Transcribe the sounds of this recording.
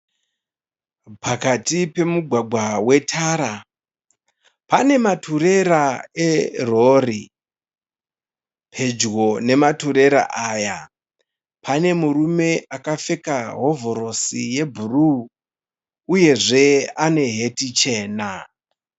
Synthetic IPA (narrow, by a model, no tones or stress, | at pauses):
pakatipe̞muɡʱwaɡʱwawe̞tʰaːɾa | pane̞matʰuɾe̞ɾaeroːri | pʰe̞d͡ʒɣo̞ne̞matuɾe̞ɾa̰ʔaːja | pʰane̞murume̞akafe̞kaɦo̞vo̞ɾo̞sije̞bʱuru | je̞ʐe̞ane̞ɦe̞tit͡ʃe̞ːna